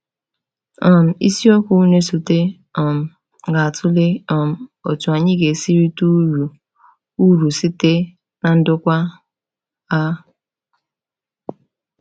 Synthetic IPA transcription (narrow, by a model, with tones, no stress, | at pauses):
ɔ˨m̩˨ḭ˦si˦ɔ˦kʷu˦ne˦su˨te˦ | ɔ˨m̩˨ | ɡa˨a˨tʰʊ˦le˦ɔ˨m̩˨o˨tu˨a˨ɲɪ˦ɡe˨si˦ɾi˦tu˦ɾu˨ | u˦ɾu˨si˦te˦ | na˨n̩˦dʊ˦kʷa˦ | a˦